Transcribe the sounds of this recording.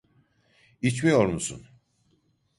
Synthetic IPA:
it͡ʃmijo̞ɾmusṵn

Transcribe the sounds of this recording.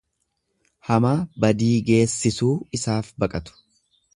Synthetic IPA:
hɐmaːbɐd̪iːɡe̞ːsːɪsuːɪsaːfbɐkʼɐt̪ʊ̥

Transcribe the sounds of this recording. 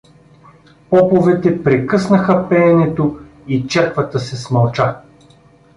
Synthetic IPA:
pɔpovɛt̪ɛpɾɛkɤsnɐxəpɛɛnɛt̪o | it͡ʃɛɾkvət̪əsɛsmɐlˠt͡ʃa

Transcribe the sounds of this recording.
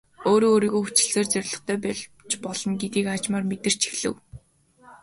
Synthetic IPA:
oːɾoːɾiːɣoːxut͡ɕɪ̆ɮseːrt͡sœɾʲɮɞ̆χt̪ʰœːpɛ | t͡ɕpɔɮɞ̆ŋɡet̪iːkat͡ɕmaːrmet̪ɘ̆r̥t͡ɕʰi̥xɮɘ̰̆w

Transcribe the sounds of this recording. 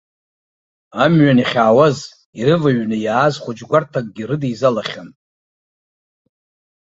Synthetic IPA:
amɥaniχʲaːwaz | iɾɨvaɥnɨjaːzχʷʊd͡ʒɡʷartʰak̚ʼɡʲiɾɨdijzalaχʲan

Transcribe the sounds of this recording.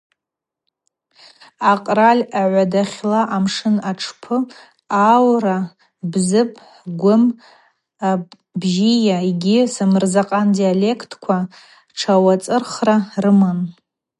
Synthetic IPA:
aqʼralʲaʕʷadaχʲlaʔamʂɨnaʈ͡ʂʰpʰɨ | awra | bzɨpʼʰħɡʷʊm | a | bʒijaɡʲɪsɨmɨrzaqʼandialekʰtʰkʷʰa | ʈ͡ʂʰawat͡sʼɨrχrarɨman

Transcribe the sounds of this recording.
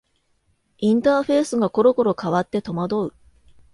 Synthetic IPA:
ĩnt̪aːɸe̞ːsɨɡako̞ɾo̞ko̞ɾo̞kaβat̪ːe̞t̪o̞mad̪o̞ɯ̟

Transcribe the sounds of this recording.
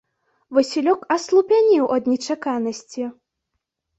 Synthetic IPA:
vɨsʲilʲɔkɐslˠupʲanʲiwʔɐd̪nʲɛt͡ʂakanɐsʲt͡sʲi

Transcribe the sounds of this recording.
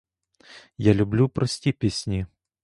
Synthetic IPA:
jalʲublʲupɾɔsʲtʲipʲesʲnʲi

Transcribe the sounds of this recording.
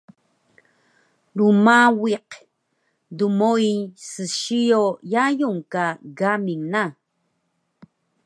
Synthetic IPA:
lumawiq | d̪umojsɨʃijojajuŋkaɡamiŋna

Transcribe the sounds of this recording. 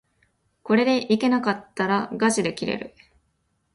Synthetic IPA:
ko̞ɾe̞d̪e̞ʔike̞nakat̪ːaɾaɡaʑid̪e̞kʲiɾe̞̰ɾɯ̟̰

